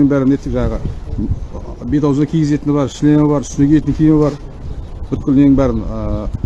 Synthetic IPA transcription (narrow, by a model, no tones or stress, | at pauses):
ɪŋbæɾɪnet̪ːeʒɑɴɑʁə | bet̪ɑwznɑkʲʰijɡʲɪze̞t̪ɪnbɑɾʃɪlemɪbɑɾʰʏsnɪkʲʰeet̪ɪnŋkʲʰejmbɑɾ | b̥ʏt̪̚kʲɪlneɪŋbæɾɪnə